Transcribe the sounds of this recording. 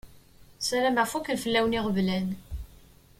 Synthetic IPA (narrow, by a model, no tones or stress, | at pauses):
sæɾæmæfukːənfəlːæwniʁəvlæn